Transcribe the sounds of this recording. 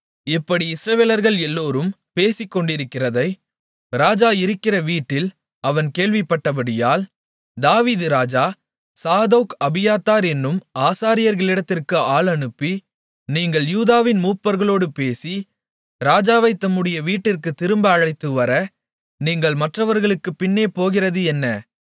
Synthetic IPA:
ɪpːɐɽiɪsɾɐʋeːlɐɾɣɐɭɛlːoːɾɯm | peːsɪkːɔɳɖɪɾɯkːɪrɐðɐɪ | ɾaːd͡ʒaːɪɾɯkːɪrɐʋiːʈːɪl | ɐʋɐnkeːɭʋɪpːɐʈːɐpɐɽɪjaːl | d̪aːʋiːðɯɾaːd͡ʒaː | saːðoːkɐbɪjaːt̪ːaːɾɛnːɯmaːsaːɾɪjɐɾɣɐɭɪɽɐt̪ːɪrkɯaːɭɐɳɯpːi | niːŋɡɐɭjuːðaːʋɪnmuːpːɐɾɣɐɭoːɽɯpeːsi | ɾaːd͡ʒaːʋɐɪt̪ːɐmːɯɽɪjɐʋiːʈːɪrkɯt̪ːɪɾɯmbɐːɻɐɪt̪ːɯʋɐɾɐ | niːŋɡɐɭmɐʈrɐʋɐɾɣɐɭɯkːɯpɪnːeːpoːɣɪrɐðɯɛnːɐ

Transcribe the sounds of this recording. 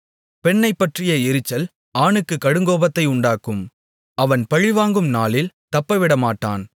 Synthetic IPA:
pɛɳːɐɪpːɐʈrɪjɐɪɾɯt͡ʃːɐl | aːɳɯkːɯkɐɽɯŋɡoːbɐt̪ːɐɪʊɳɖaːkɯm | ɐʋɐnpɐɻɪʋaːŋɡɯmnaːlɪlt̪ɐpːɐʋɪɽɐmaːʈːa̰ːn

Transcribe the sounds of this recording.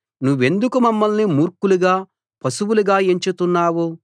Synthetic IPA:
nuʋːe̞nd̪ukumɐmːɐlnimuːɾkuluɡaː | pɐsuwuluɡaːeɲt͡ʃut̪unːaːwu

